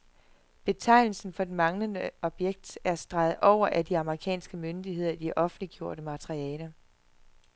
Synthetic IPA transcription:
b̥e̝t͡sʰɑ̈ɪnl̩sn̩fɒ̽d̥e̝mɑ̈ŋlənəʔɒ̽b̥jeɡ̥̚d̥æɐsd̥ʁɑ̈ð̩ˠʔɒʊ̰ɐʔæd̥iɑ̈məʁikʰɛ̰ːnsɡ̥əmønd̥iɦe̝ð̰ˠɐd̥iʔɒ̽fn̩liɡ̥jo̝ɐ̰ɾəmɑt͡sʰʁiɛːlə

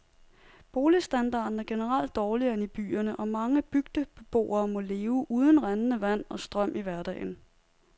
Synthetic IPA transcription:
b̥o̝ːlisd̥ænd̥ɑ̰̈ːd̥n̩æɐɡ̥e̝nəʁɑl̰d̥ːɒːliɐenib̥y̰ːɐnəʔɒ̽mɑ̈ŋəb̥yɡ̥d̥əb̥eb̥o̝̰ːɐːmɔ̽le̝ːʊʔuːðˠən̩ʁanənəʋæn̰ɒ̽sd̥ʁɶm̰ʔiʋæɐd̥ɛ̰ːɪn̩

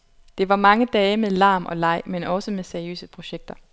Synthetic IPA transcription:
d̥e̝ʋɑ̈mɑ̈ŋəd̥ɛːɪmeðˠlɑ̈ːmʔɒ̽lɑ̈ɪ̰menɒ̽səmeðˠseɐiø̰ːsəpʰʁo̝ɕeɡ̥̚d̥ɐ

